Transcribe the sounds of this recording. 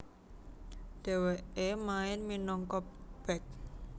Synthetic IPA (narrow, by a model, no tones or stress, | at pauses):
d̥ɛ̤weemaɪnminɔŋkɔb̥ɛk̚